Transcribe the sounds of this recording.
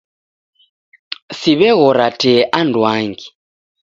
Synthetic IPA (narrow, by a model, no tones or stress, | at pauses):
siβɛɣɔɾatʼɛʔandwaːŋɡi